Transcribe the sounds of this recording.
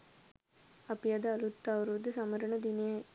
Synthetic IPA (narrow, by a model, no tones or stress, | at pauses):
ɐpijad̪ɐɐlut̪ːaːʋɐɾud̪ɨsɐmɐɾɐɳɐd̪inija